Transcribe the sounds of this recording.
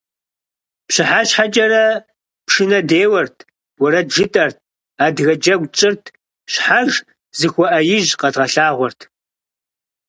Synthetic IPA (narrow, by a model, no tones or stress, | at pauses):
pɕɪħaɕħat͡ʃʼɐrɐ | pʂɨnɐdeːwɐrtʰ | wʊɾɐʒɨtʼɐrt̚ʰ | aːdɣɐd͡ʒɐɡʷt͡ʃʼɪrtʰ | ɕħaʒ | zɨxʷɔʔɐjɪʒqɐdʁɐɬaːʁʷɔrtʰ